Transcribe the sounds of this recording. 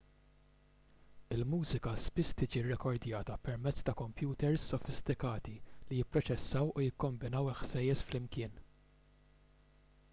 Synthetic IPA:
ɪlmuːzɪkɐspɪst̪ɪːd͡ʒirɛkɔɾd̪jɐːt̪ɐpɛɾmɛt͡sːt̪ɐkɔmpjuːt̪ɛɾsːɔfɪst̪ɪkɐːt̪ilijɪpːɾɔt͡ʃɛsːɐwujɪkːɔmbɪnɐwɪħsɛjːɛsflɪmkɪːn

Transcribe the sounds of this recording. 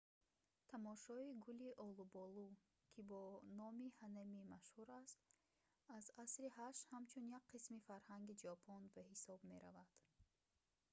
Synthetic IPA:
t̪ʰamɔʃɔiɡuliʔɔlubɔlu | kʰibɔnɔmihanamimaʃhuɾast̪ | azasɾihaʃhamt͡ʃʰunjak̚qʰismifaɾhaŋɡid͡ʒɔpʰɔnbahisɔbme̞ɾavad̪̥

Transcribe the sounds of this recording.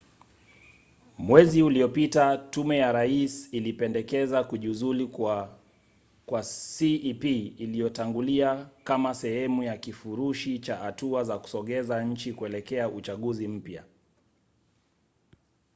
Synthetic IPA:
mwɛziuliɔpitatumɛjaɾaisilipɛndɛkɛzakuʄuzuli | kwasipiːlijɔtaŋɡuliakamasɛhɛmujakifuɾuʃit͡ʃahatuazaku̥sɔɠɛzaɲ̩t͡ʃikuɛlɛkɛaʔut͡ʃaɠuzim̩pja̰

